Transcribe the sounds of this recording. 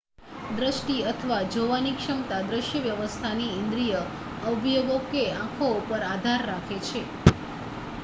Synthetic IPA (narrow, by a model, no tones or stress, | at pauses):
d̪ɾəʃʈiət̪ʰəʋad͡ʒoʋanikʂəmt̪ad̪ɾəʃjəʋjəʋəst̪ʰaniɪ̃nd̪ɾijə | əbjoɡokeãkʰoupəɾad̪ʱaɾːakʰet͡ʃʰe